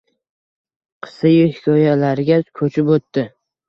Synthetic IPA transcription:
qʰɨ̥sɪjʊhɪkʲʰɒjalaɾɪɡʲakʰɵt͡ʃʰɪpot̪ːɪ

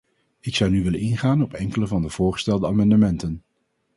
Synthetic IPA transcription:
ɪksʌwnyʋɪlənɪnχaːnɔpɛŋkələvɑndəv̥ʊːɹχə̥stɛlˠdəaːmɑndəmɛntən

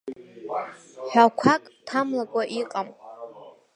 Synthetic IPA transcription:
ħʷᶣakʷʰakʼtʰamlakʷʼaʔiqʼam

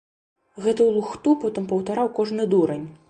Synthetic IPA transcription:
ɣɛt̪ɐwlˠuxt̪upɔt̪ɨmpɐwt̪aɾawkɔʐnɨd̪uɾɐnʲ

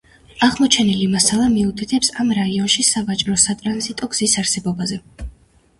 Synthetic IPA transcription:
aʁmɔt͡ʃʰɛnilimasalˠamiut̪ʰit̪ʰɛpsamɾaiɔnʃisavat͡ʃʼɾɔsat̪ʼɾanzit̪ʼɔɡz̥isaɾsɛbɔbazɛ

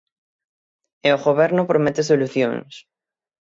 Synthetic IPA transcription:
eoɣoβ̞ɛɾnopɾomet̪es̬oluθjõ̰ŋs

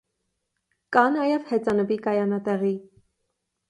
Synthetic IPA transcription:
kɑnɑjɛvhɛt͡sɑnəbikɑjɑnɑt̪ɛʁi

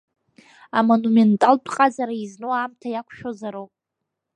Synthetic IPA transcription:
amonumentʼalpʰʼqʼazaɾaiznowaːmtʰajakʷʰʃᶣozaɾowpʼ

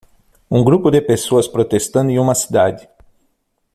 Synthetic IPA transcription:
uŋɡɾupd̪epesosʲpɾot̪est̪ənd̪jumasid̪ad̪ʲ

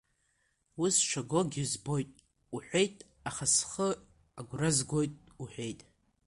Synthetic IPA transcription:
wusʃʷaɡoɡʲɪzbo̞jtʼ | uħᶣʷejtʼ | aχasχə | aɡʷrazɡʷo̞jtʼuħʷᶣe̞jtʼ

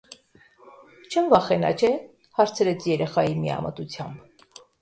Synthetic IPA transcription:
t͡ʃʰənvɑχɛnɑ̰t͡ʃʰɛ | hɑɾt͡sʰəɾɛt͡sʰjɛɾɛχɑjimiɑ̰mə̰t̪ut͡sʰjɑmb

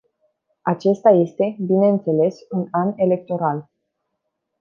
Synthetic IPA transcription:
at͡ʃe̞st̪aje̞st̪e̞bine̞ɨnt̪se̞le̞sunane̞le̞k̚t̪o̞ɾal

